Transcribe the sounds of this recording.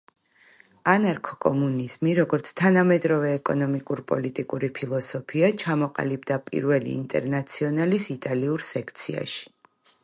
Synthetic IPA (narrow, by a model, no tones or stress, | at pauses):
anaɾkʰɔ̥kʼɔ̰muniz̥miɾɔɡɔɾt̪sʰt̪ʰanamɛd̪ɾɔvɛːkʼɔnɔmikʼuɾpʼɔ̰lit̪ʼikʼuɾipʰilˠɔsɔpʰiat͡ʃʰamɔqʼa̰libd̪apʼḭɾvɛlḭːnt̪ʼɛ̰ɾnat̪sʰiɔnalisit̪ʼaliuɾsɛkʰt̪sʰia̰ʃi̥